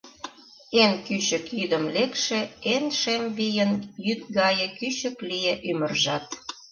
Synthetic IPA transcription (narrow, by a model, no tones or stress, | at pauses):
enkyɕə̆kjyd̪əmlekʃĕenʃemβijənjyt̪̚ɡɑjə̆kyɕə̆klijeʔymərʒɑt̪̚